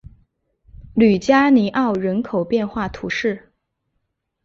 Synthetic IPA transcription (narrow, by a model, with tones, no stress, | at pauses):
ly˨˩t͡ɕja˥ni˧˥ʔɑ˥˩ʊɻə˧˥nkʰo˨˩ʊpjɛ˥˧nxwa˥˩t̪ʰṵ˧˥ʂɻ̩˥˩